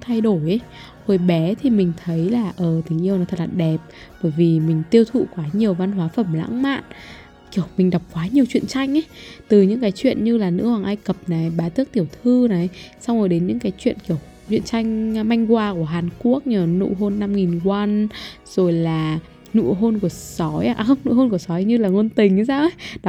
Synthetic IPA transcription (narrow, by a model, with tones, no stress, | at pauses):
t̪ʰa˧jɗo˧˩jʔə˨˦ | ho˧˩jɓɛ˨˦t̪ʰi˨˩mï˨˩ŋ̟t̪ʰə˨˦jlaː˨˩ʔəː˧˩t̪ï˨˦ŋ̟ʔi˧əwnɔ˨˦t̪ʰə˨˩tlaː˨˩ɗɛ˨˩p̚ | ɓəː˧˩jvi˨˩mï˨˩ŋ̟t̪i˧əwt̪ʰṵ˧˨kwaː˨˦ɲi˨˩əwva˧nɦwaː˨˦fə˧˩mla̰˧˥ŋma̰ː˧˨n | ki˧˩əwmï˨˩ŋ̟ɗa˨˩wk͡p̚kwaː˨˦ɲi˨˩əwt͡ɕwḭ˧˨ənt͡ɕa˧jŋ̟ʔə˦jt̪ɨ˨˩ɲɨ̰˧˥ŋkaː˨˦jt͡ɕwḭ˧˨ənɲɨ˧laː˨˩nɨ̰˧˥hwaː˨˩ŋʔa˧jkə˨˩p̚naː˨˩ɓaː˨˦t̪ɨ˦˥ək̚t̪i˧˩əwt̪ʰɨ˧na˨˩sa˧wzo˨˩ɗe˨˦nɲɨ̰˧˥ŋkaː˨˦jt͡ɕwḭ˧˨ənki˧˩əw | t͡ɕwḭ˧˨ənt͡ɕa˧jŋ̟ma˧jŋ̟kwaː˧ku˧˩əɦaː˨˩nku˦˥ək̚ɲəː˨˩nṵ˧˨ɦo˧nːa˧mŋi˨˩nkwa˧n | z̥o˨˩jlaː˨˩ | nṵ˧˨ɦo˧nku˧˩əsɔ˨˦ja˧ʔxə˧wŋ͡mnṵ˧˨ho˧nku˧˩əsɔ˨˦jɲɨ˧laː˨˩ŋo˧nt̪ï˨˩ŋ̟˨˦saː˧wʔə˧˦jɗ